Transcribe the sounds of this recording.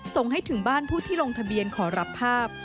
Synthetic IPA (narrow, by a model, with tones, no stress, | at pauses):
so˧ŋɦa˥˩jt̪ʰɯ˨˩˦ŋbaː˥˩npʰuː˥˩t̪ʰiː˥˩ɾo˧ŋt̪ʰa˧bi˧ənkʰɔː˩˦ɾa˦˥pʰːaː˥˩p̚